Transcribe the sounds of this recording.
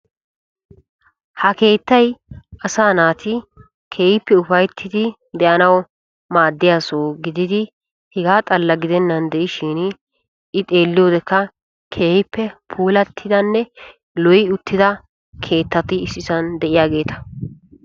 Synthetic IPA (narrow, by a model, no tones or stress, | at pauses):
hɐke̞ːt̪ːɐjʔɐsaːnaːt̪ɪ | kʰeːjɪpːɛʊfɐjt̪ʰːɪd̪ɪ | d̪ɛʔɐnɐw | maːd̪ːɪjaːsoːɡɪd̪ɪd̪ɪ | hɛɡaːt̪ʼɐlːɐɡɪd̪ɛnːɐnd̪ɛʔɪʃɪn | ɪt̪ʼe̞ːlːɪjo̞ːd̪ɛkːɐ | kʰeːjɪpːɛpʰuːlɐt̪ʰːɪd̪ɐnːɛ | lɔjɪʊt̪ʰːɪd̪ɐ | kʰe̞ːt̪ːɐt̪ɪɪsːɪsɐnd̪ɛʔɪjaːɡe̞ːt̪ɐ̥